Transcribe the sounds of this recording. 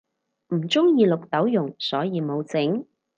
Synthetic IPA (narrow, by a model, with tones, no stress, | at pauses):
m̩˨˩t͡sʊ˥ŋjiː˧lʊ˨k̚t̪ɐ˨˥wjʊ˨˩ŋsɔː˨˥jiː˧mo˨˧wt͡sɪ˨˥ŋ